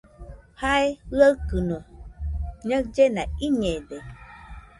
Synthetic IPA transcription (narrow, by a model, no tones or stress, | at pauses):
hajɣəkɨnɔ̃ | ɲə̃d͡ʒenãiɲɛ̃ɖɛ